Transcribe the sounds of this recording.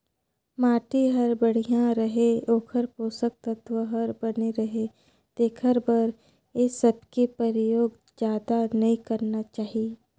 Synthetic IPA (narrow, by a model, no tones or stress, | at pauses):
maːʈiɦɐɾbɐɽ̤ijãɾɐɦeoːkʰəɾpoːsək̚t̪ɐt̪ʰʋəɦəɾbɐneɾɐɦe | d̪̥eːkʰəɾbɐɾ | jesɐbkepəɾɪjoːɡ | d͡ʒjaːd̪anɐĩkɐɾnat͡ʃaːɦie